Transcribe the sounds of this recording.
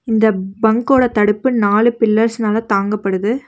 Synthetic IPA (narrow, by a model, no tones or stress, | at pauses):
ɪnd̪ɐbɐŋkoːɽɐt̪ɐɽɯpːɯnaːlɯpɪlːɐɾsnaːlɐt̪aːŋɡɐpːɐɽɯðɯ